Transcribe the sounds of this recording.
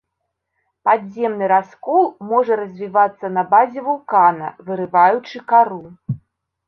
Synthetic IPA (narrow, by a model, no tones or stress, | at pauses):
pad̪zʲɛmnɨɾaskɔlˠmɔʐɐɾɐzʲvʲivat̪sːɐnɐbazʲɛvulˠkanɐ̰vɨɾɨvajut͡ʂɨkaɾu